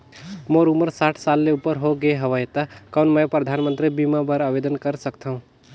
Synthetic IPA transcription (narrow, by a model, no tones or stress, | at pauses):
moɾuməɾsaʈʰsalːeupəɾɦoɡeɦəʋəjt̪akawnmə̃pɾəd̪ʱanmənt̪ɾibimabəɾabed̪ənkəɾsəkt̪aɦũ